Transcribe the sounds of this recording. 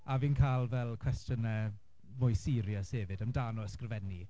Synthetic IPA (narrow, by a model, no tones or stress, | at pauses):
aviːnkʰajlˠvɛlˠkʰw̥ɛstənɛ | mʊjsiːɾjəsheːvɨdəmdaːnɔəskrvɛni